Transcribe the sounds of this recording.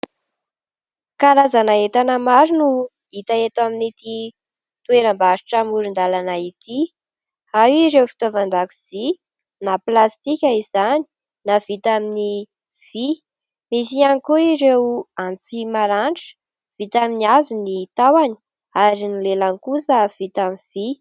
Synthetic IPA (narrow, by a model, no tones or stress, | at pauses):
kaɾazanaet̪anəmaɾinu | it̪aet̪aminit̪i | t̪uweɾəmbaɾi̥ʈ͡ʂamuɾind̪alanait̪i | awiɾewfi̥t̪ovand̪aku̥z̥i | naplast̪ikʲaizani̥ | nav̥it̪amini | v̥i | mis̬ianikuiɾewant͡si̥fimaɾaɳʈ͡ʂə̥ | v̥it̪aminiazunit̪awani̥ | aɾinilelaŋkusəv̥it̪aminv̥i